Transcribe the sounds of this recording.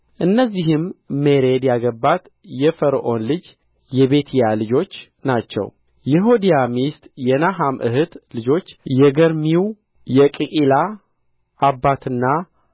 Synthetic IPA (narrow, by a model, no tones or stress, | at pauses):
ʔɨnːəzːihɨmːeɾe̞d̪jaɡəbːat̪ | jɛfəɾʔo̞nlɨd͡ʒ | jɛβe̞t̪ʰjalɨd͡ʒo̞t͡ʃː | nat͡ʃːɛ̰w | jɛɦod̪ijamist̪ʼjɛnaɦamʔɨ̰hɨt̪lɨd͡ʒo̞t͡ʃːjɛɡəɾmiw | jɛkʼɨkʼilaː | bːat̪ʰɨnːa